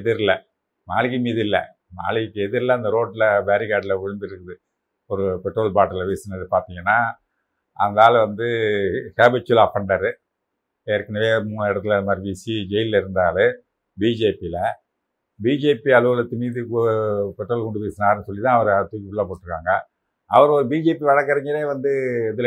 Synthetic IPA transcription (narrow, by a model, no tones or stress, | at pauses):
ɛðɪɾɪlɐ | naːɭɪɣimiːðɪlːɐ̰ | na̰ːɭɪɣɪkːɯɛðɪɾlɐɐnd̪ɐɾoːʈlɐbeːɾɪɣaːɽɪlɐʋʊɻɯnd̪ɪɾɯkːɯðɯ | ɔɾɯpɛʈɾoːlpaːʈːɐlɐpeːsɪnɐðɯpaːɾt̪iːŋɡɐnːaː | ɐnd̪aːlʋɐnd̪ɯkaːbɪt͡ʃːʊlafɐɳɖɐɾɯ | ɛɾkːɪnɐʋeːmuːnɐɛɽɐt̪ːɯlɐðɐmaːɾibiːsid͡ʒɛjɪllɐɪɾɯnd̪aːlɯ | biːd͡ʒeːpilɐ | biːd͡ʒeːpiɐlɯʋɐlɐt̪ːɯmiːðɯkːpɛʈːɾoːlkɔɳɖɯpeːsɪnaːɾɯnɯsɔlːit̪ãːɐʋɐɾt̪uːʋɪpɯɭlːaːpoːʈːɾɯkːa̰ːŋɡɐ | ɐʋɐɾɔɾɯbiːd͡ʒeːpiʋɐɻɐkːɐɾɐɲɡɪɾeːʋɐnd̪ɯɛðɯl